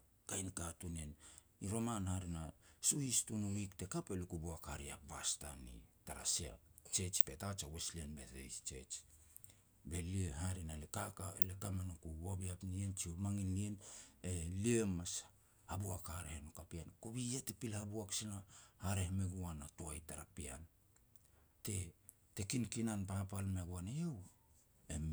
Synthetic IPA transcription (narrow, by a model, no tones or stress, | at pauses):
kajnkatunen | iɾo̞manhaɾinasuhistunuwikte̞kapelikubuakhaɾia̰basta̰nḭtaɾa̰sia̰t͡ʃe̞t͡ʃi̥pe̞tat͡ʃaweslienbe̞tḛjst͡ʃe̞̰t͡ʃ | be̞lieɦaɾinalekakaelekamanokuwobiapnient͡ʃiomaŋinlieneliemas | habuakhaɾehenokapiankoβijatepilhabuaksinahaɾehemeɡuanatoajtaɾapia̰n | te̞ | te̞kinkinanpapalmeɡuanejew | em